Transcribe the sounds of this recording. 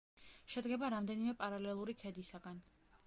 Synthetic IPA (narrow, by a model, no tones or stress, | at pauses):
ʃɛd̪ɡɛbaɾamd̪ɛnimɛpʼaɾalɛlˠuɾikʰɛd̪isaɡan